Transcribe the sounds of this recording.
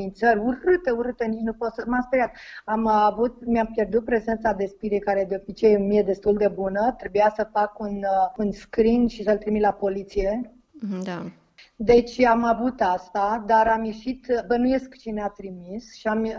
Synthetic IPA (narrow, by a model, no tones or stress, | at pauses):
inʲt̪səɾʲuɾɨt̪euɾɨt̪enit͡ʃnupot̪səmast̪ɾijakamavut̪̚miampjerd̪ut̪̚pɾe̞ze̞nt̪sad̪e̞spiɾejkaɾe̞d̪eobit͡ʃejmijed̪e̞st̪uld̪e̞bunət̪ɾe̞bujasəfakununskɾinʃisəlt̪ɾimit̪lapo̞lit̪sije̞ | d̪a | d̪e̞t͡ʃʲamavut̪ast̪ad̪aɾamjeʃit̪bənuje̞skt͡ʃineat̪ɾimisʃiam